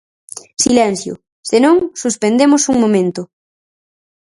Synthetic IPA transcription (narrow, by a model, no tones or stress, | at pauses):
silɛn̟θjʊ̰ | senõŋsuspend̪emosuŋmomẽnt̪ʊ